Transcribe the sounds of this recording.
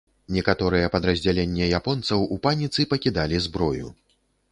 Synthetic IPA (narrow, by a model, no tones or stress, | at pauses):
nʲɛkat̪ɔɾɨjɛpɐd̪ɾɐzʲd͡zʲalʲenʲːɛjapɔnt̪sɐwupanʲit̪sɨpɐkʲid̪alʲizbɾɔjṵ